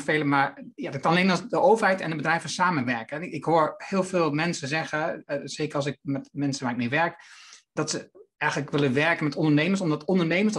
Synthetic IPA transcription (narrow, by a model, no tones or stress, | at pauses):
fejləmaɹjadəkɑnɑlenɑdəʔowvəɹɦɛjtɛ̰ndəbədrɛjvəsaːmənʋɛɹkəɛɪkɦoːɹhɪːlˠvɪːlˠmɛnsəzɛχəz̥ejkəɹɑlˠsɪk̚mɛtmɛnsənʋaːɹɪkneʋɛɹkd̥ɑtsəɛjχələkʋɪləʋɛɹkənmɛtɔndəɹnejməɹsɔmdɑtɔndəɹnejməɹsd